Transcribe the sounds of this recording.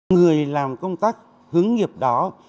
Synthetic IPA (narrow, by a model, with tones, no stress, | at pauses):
ŋɨ˨˩əjlaː˨˩mkə˧wŋ͡mt̪aː˦˥k̚ | hɨ˨˦əŋŋi˨˩əp̚ɗɔ˨˦